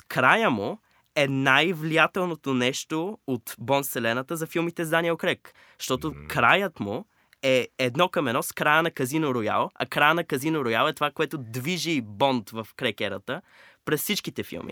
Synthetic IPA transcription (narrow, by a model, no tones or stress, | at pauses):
kɾajəmo | ɛnajvlijat̪ɛlˠnot̪onɛʃt̪oot̪bɔnsɛlɛnət̪əzɐfilˠmit̪ɛzd̪aniokɾɛk | ʃt̪ɔt̪okɾajət̪mʊ | ɛɛd̪nɔkɐmɛnɔskɾajənɐkɐzinoɾoja̰lˠɐ̰kɾajənɐkɐzinoɾojalˠɛt̪ovakoɛt̪ʊd̪viʒibɔnt̪vɐfkɾɛkɛɾət̪ə | pɾɛssit͡ʃk̟it̪ɛfḭlˠmḭ